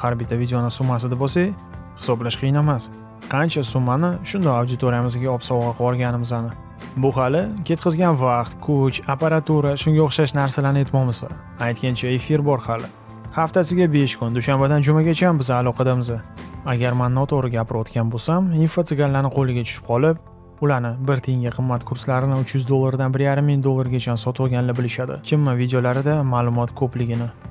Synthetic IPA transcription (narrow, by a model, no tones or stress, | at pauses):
haɾbit̪ʰavid̪ʲeonɪsʊmːasɪd̪abosaj | hɪ̥sɒblaʃqʰɨjnamas | qʰɑnt͡ʃʰasʊmːanɪʃʊnd̪ɒawd̪ɪt̪ʰoɾijamɪzɡʲaɒpsɒwʁɑqʰɒɾɡʲanɪmɪzanɪ | bʊɦɑlɪkʲʰe̞t̪̚qʰɨzɡʲanvaqt̪kʰʊt͡ʃapaɾat̪uɾaʃʊŋɡʲaoχʃaʃnaɾsalaɾnɪe̞t̪mɒmɪza̰ | ajt̪̚kʲant͡ʃʰae̞fiɾbɒɾhalɪ | haft̪ʰasɪɡʲabe̞ʃkʰʊnd̪ʊʃambed̪and͡ʒʊmaɡʲat͡ʃʰambɪzɪːlˠɒqʰɑd̪amɪzɪaɡʲaɾmanːɒt̪ʰoɾɪɡʲapɪɾɒt̪kʲanbosaminfot̪sɪɡʲalːanɪqʰolɪɡʲat͡ʃʰʊ̥ʃɪp̚qʰɒlɪp̚ | ʊlaɾnɪbɪɾt̪ʰeŋɡʲaqʰɨmːat̪kʰʊɾslaɾɪnɪʊt͡ʃʰjʊzd̪olˠːaɾd̪anbɪɾjaɾɪmːɪŋd̪olˠːaɾɡʲat͡ʃʰansɒt̪ʰɒlˠɡʲanlɪbɪlɪʃad̪ɪ̰kʲʰɪmːavid̪ejolaɾɪd̪amaːlˠʊmɒt̪kʰɵplɪɡʲɪnɪ